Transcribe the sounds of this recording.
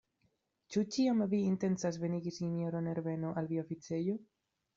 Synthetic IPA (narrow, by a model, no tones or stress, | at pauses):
t͡ʃut͡ʃiamviːnte̞nt͡sasve̞niɡisinjo̞ɾone̞ɾve̞no̞ʔalviaofit͡se̞jo